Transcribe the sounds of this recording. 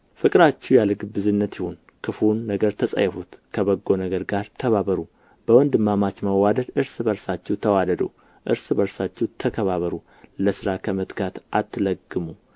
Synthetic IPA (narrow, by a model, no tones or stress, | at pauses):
fɨkʼɨɾat͡ʃːɛwjalɡɨbɨzɨnːət̪jɪhon | kʰɨfunːəɡəɾt̪ʰəsʼə̰jːɛfut̪kʰəbəɡːo̞nəɡəɾɡaɾt̪ʰəβaβəɾu | b̥əwɔnd̪ɨmːamat͡ʃməwad̪əd̪ɨɾsbəɾsat͡ʃːɛwt̪ʰəwad̪əd̪ə̰w | ʔɨ̰ɾsbəɾsat͡ʃːɛwt̪ʰəkʰəβaβəɾu | ləsɨɾakʰəmət̪ɡat̪ʔat̪ːɨləɡːɨmu